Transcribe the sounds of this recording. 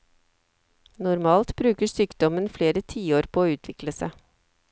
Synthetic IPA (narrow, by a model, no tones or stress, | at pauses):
nʊɾmɑːlt̪bɾʉːkəʂyːkd̪ɔmənfleːɾət̪ʰiːoːɾpʰoːʉːt̪ʰʋɪkləsə